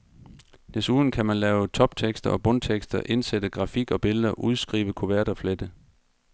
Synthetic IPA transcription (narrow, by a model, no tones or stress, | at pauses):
d̥esuðˠn̩kʰæmænlɛːʊt͡sʰɒ̽b̥̚t͡sʰeɡ̥sd̥ɐɒ̽b̥ɔ̽nt͡sʰeɡ̥sd̥ɐʔe̝nsed̥əɡ̥ʁɑ̈fiɡ̥ɒ̽b̥e̝ləðˠɐʔuð̞ˠsɡ̥ʁḭːʋəkʰo̝ʋæɐ̰ɾ̥ɐfled̥ə